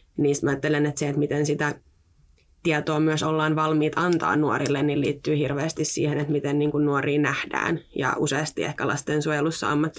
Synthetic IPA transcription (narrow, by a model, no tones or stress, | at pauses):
niːst̪mɑɑːt̪ːelenet̪seet̪mit̪ensit̪æ | t̪iɛt̪oːmyøsolːɑːnʋɑlmiːt̪ɑnt̪ɑ̰ːnːuo̰ɾilːenːilḭːt̪ːyːhirʋeːst̪issḭːhenet̪mit̪enniːŋkunnuoɾiːnæhd̥æ̰ːnjɑ̰ʔuseɑst̪iḛhkælʔɑ̰st̪eːnsuojelusːɑ̰ɑmːɑt̪ː